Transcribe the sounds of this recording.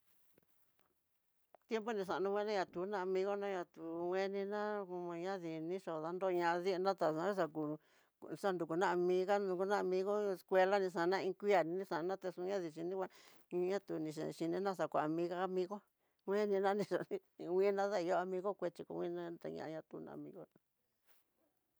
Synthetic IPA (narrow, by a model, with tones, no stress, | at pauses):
t̪je˦mpo˦nĩ˧ʂ̬a˨˧nũ˧wʷẽ˦nã˦ɲã˧t̪u˨˦nã˦a˧mĩ˧ɣo˦nã˦ɲã˧t̪u˨wẽ˦nĩ˧nã˦u˧mã˧ɲã˦ði˨nĩ˦ʂo˨ða˦nd̪o˦˧ɲã˧ði˦˧nã˦t̪a˨sã˧˦i˦s̬a˧ku˧ | ʂa˦nd̪u˨ku˨nã˦a˧mĩ˧˦ɣa˦ũ˧ku˧nã˦a˧mĩ˧ɣo˦e˧skʷe˧la˦nĩ˧ʂ̬ã˧nã˦˧ĩ˧˦kʷi˦a˧˨nĩ˧nĩ˦sã˨˧nã˦t̪a˧sũ˧ɲã˦ði˧˨ʃi˧nĩ˦kʷa˧˦ | ɲã˦t̪u˧nĩ˧ʃ̬ḛ˨ʃi˧nĩ˧nã˦ʂ̬a˨kʷa˨a˧mĩ˧˦ɣa˦˧mĩ˧ɣo˦ | wʷẽ˦nĩ˧nã˦nĩ˧ʂo˨nĩ˧wʷĩ˦nã˦ða˦i˧jo˦a˧mĩ˧ɣo˦kʷe˧t͡ʃi˧ko̰˨˧wʷĩ˦nã˦t̪a̰˧ɲã̰˧ʔɲã˧t̪u˧˦nã̰˧ʔa̰˧˨mĩ˧ɣo˦nã˧